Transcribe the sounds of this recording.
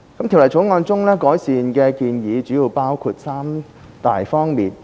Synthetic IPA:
kɐ˨˥mt̪ʰi˨˩wlɐ˨˩jt͡sʰʊ˨˥wŋɔː˧nt͡sʊ˥ŋlɛː˥kɔː˨˥jsiː˨nkɛː˧kiː˧njiː˨˧t͡ʃyː˨˥jiː˨˧wpaː˥wkʰuː˧t̚saː˥m | t̪a̰ː˨jfɔː˥ŋmiː˨˩n

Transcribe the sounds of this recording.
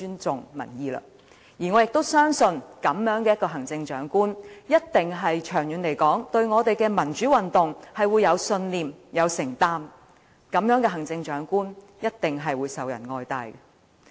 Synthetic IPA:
yː˥nt͡sʊ˨ŋmɐ̰˨˩njiː˨˧lɐ̰˧ | jiː˨˩ŋɔː˨˧jɪ˨k̚t̪o˥wsœː˥ŋsɵ˧nkɐ˨˥mjœː˨˥ŋkɛ˧jɐ˥tkɔː˧ɦɐ˨˩ŋt͡sɪ˧ŋt͡ʃœː˨˥ŋkuː˥njɐ˥t̚t̪ɪ˨ŋɦɐ˨jt͡ʃʰœː˨˩ŋjyː˨˥nle˨˩jkɔː˨˥ŋt̪ɵ˧ɥŋɔː˨˧t̪e˨jkɛː˧mɐ˨˩nt͡ʃyː˨˥wɐ˨nt̪ʊ˨ŋhɐ˨jwuː˨˧jːɐ˨˧wsɵ˧nliː˨mjɐ˨˧wsɪ˨˩ŋt̪aː˥m | kɐ˨˥mjœː˨˥ŋkɛ˧ɦɐ˨˩ŋt͡sɪ˧ŋt͡ʃœː˨˥ŋkuː˥n | jɐ˥t̚t̪ɪ˨ŋɦɐ˨jwuː˨˧jsɐ˨wjɐ̰˨˩nŋɔː˧jt̪a̰ː˨˧jkɛ˧

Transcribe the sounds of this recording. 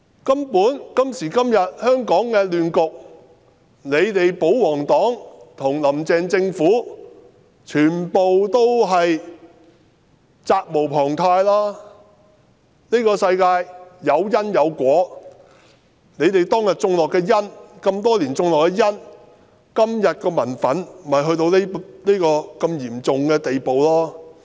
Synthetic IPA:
kɐ˥mpuː˨˥nkɐ˥msiː˨˩kɐ˥mjɐ˨t̚hœː˥ŋkɔː˨˥ŋkɛː˧lyː˨nkʊ˨k̚ | ne˨˧jt̪e˨jpo˨˥wwɔː˨˩ŋt̪ɔː˨˥ŋt̪ʰʊ˨˩ŋlɐ˨˩mt͡sɛː˨˧ŋt͡sɪ˧ŋfuː˨˥ | t͡ʃʰyː˨˩npo˨wt̪o˥wɦɐ˨j | t͡saː˧k̚mo˨˩wpʰɔː˨˩ŋt̪ʰaː˧jlaː˥ | niː˥kɔː˧sɐ˧jkaː˧jjɐ˨˧wjɐ˥njɐ˨˧wkʷɔː˨˥ | ne˨˧jt̪e˨jt̪ɔː˥ŋjɐ˨˩t̚t͡sʊ˧ŋlɔː˨kːɛː˧jɐ˥nkɐ˧mt̪ɔː˥liː˨˩nt͡sʊ˧ŋlɔː˨kːɛː˧jɐ˥n | kɐ˥mjɐ˨t̚kɔː˧mɐ˨˩nfɐ˨˥nm̩˨mɐ˨˩jɦɵ˧ɥt̪o˧wle˥liː˥kɔː˧kɐ˧mjiː˨˩mt͡sʊ˨ŋkɛː˧t̪e˨jpo˨wlaː˥

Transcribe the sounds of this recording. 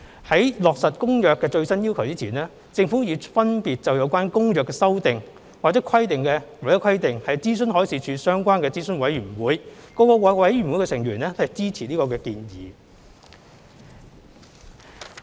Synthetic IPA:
hɐ˨˥jlɔː˨k̚sɐ˨t̚kʊ˥ŋjœː˨kːɛː˧t͡ʃɵ˧ɥsɐ˥njiː˥wkʰɐ˨˩wt͡siː˥t͡sʰiː˨˩nɛː˥ | t͡sɪ˧ŋfu˨˥jyː˨˥fɐ˥npiː˨t̚t͡sɐ˨wjɐ˨˧wkʷaː˥nkʊ˥ŋjœː˨kːɛː˧sɐ˥wt̪ɪ˨ŋ | waː˨˩t͡sɛ˨˦˥kʰɐ˥jt̪ɪ˨ŋkɛː˧wa˨˩jɛ˨˦˥kʰɐ˥jt̪ɪ˨ŋhɐ˨jt͡siː˥sɵ˥nɦɔː˨˥jsiː˨˥t͡ʃʰyː˨˧sœː˥ŋkʷaː˥nkɛː˧t͡siː˥sɵ˥nwɐ˨˥jɥyː˨˩nwuː˨˥jkɔː˧kɔː˧wɐ˨˥wɐ˨˥jɥy˨˩nwu˨˥jkɛ˧sɪ˨˩ŋɥyː˨˩nlɛː˥hɐ˨jt͡siː˥t͡sʰiː˨˩niː˥kɔː˧kɛː˧kiː˧njḭː˨

